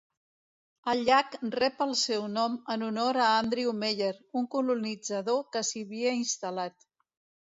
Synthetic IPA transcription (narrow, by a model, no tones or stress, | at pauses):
əlʎakrɛpəlˠsɛwnɔmənunoɾəand̪ɾiumeʎeɾuŋkulunid͡zəðokəsiβiəinst̪əlat̪